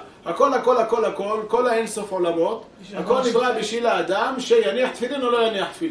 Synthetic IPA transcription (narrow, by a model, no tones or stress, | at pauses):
hako̞lhako̞lhako̞lhako̞lko̞lhaenso̞fʕo̞lamot̪ | hako̞lnivʁabiʃilaːd̪amʃe̞janiaħt̪filinolo̞janiaħt̪fili